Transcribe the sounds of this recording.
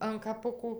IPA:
ɐn kɐˈpʊkuː

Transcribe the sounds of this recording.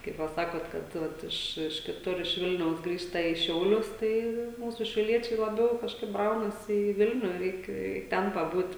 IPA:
kɐɪp ˈʋɐ ˈsɑːkoːt kɐt ˈʋɐt ɪʃ ɪʃ kʲɪˈtʊr ɪʃ ˈʋʲɪlʲnʲɛʊs ˈɡrʲiːʃtɐ iː ˈʃʲɛʊlʲʊs ˈtɐɪ ˈmuːsʊ ʃʲɛʊˈlʲiɛt͡ʃʲɛɪ lˠɐˈbʲɛʊ kɐʃˈkɐɪp ˈbrɐʊnɐsʲɪ iː ˈʋʲɪlʲnʲʊ ˈrʲɛɪk ɪ ˈtʲɛn pɐˈbuːtʲ

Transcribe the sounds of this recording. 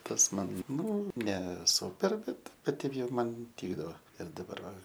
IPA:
ˈtɐs ˈmɐn ˈnʊ nʲɛ ˈsuːpʲɛr ˈbʲɛt ˈkɐt ˈtʲɛɪp ˈjɛʊ ˈmɐn ˈtʲiːɡdɐʋoː ɪr dɐˈbɐr ʋɐ

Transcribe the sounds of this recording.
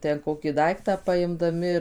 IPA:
tʲɛn ˈkoːkʲiː ˈdɐɪktɑː pɐɪmdɐˈmʲɪ ɪr

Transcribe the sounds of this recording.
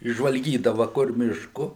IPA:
ɪʒʒʋɐlʲˈɡʲiːdɐʋɐ kʊr ˈmʲɪʃkʊ

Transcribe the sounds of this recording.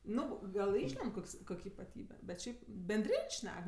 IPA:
ˈnʊ ˈɡɐlˠ ˈɪʃʲlʲɛnt ˈkoːks ˈkoːkʲ ɪpɐˈtʲiːbʲɛ bʲɛt ˈʃʲɛɪp bʲɛnʲˈdʲrʲɪnʲ ˈʃʲnʲɛk

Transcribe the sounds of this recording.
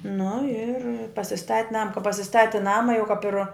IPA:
nʊ ɪr pɐsʲɪˈstɐtʲ ˈnɑːmɐ kɐ pɐsʲɪˈstɑːtʲɪ ˈnɑːmɐ jɛʊ kɐp ɪr

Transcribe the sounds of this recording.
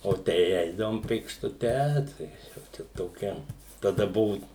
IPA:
oː ˈtʲɛɪ ˈɛɪdɐʋoːm pʲeːkʃtʊˈtʲɛ ˈtɐɪ jɛʊ ˈt͡ʃʲɛ toːˈkʲɛ tɐˈdɐ ˈbʊʋʊ

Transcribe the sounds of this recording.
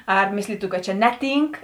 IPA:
ɐr ˈmʲeːsʲlʲiːtʊ kɐt t͡ʃʲɛ ˈnʲæːˌtʲiːŋk

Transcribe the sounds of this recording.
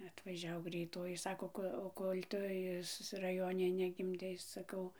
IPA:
ɐtʋɐˈʒʲɛʊ ɡrʲɛɪˈtoːjɪ ˈsɑːkoː ˈkoː oː ˈkoːlʲ ˈtʊ ɪs rɐˈjoːnʲɛ nʲɛɡʲɪmʲˈdʲɛɪ sɐˈkɐʊ

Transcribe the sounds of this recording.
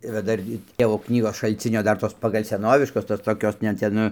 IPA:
iːˈrɐ ˈdɐr ɡʲɪ ˈtʲeːʋoː ˈknʲiːɡoːs ʃɐlʲˈt͡sʲɪnʲoː ˈdɐr toːs pɐɡɐlʲ sʲɛˈnoːʋʲɪʃkoːs toːs toːˈkʲoːs nʲɛ ˈtʲɛn nʊ

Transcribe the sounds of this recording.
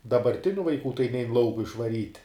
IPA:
dɐbɐrʲˈtʲɪnʲʊ ʋɐɪˈkuː tɐɪ nʲɛɪn ˈlˠɐʊkʊ ɪʃʋɐˈrʲiːtʲ

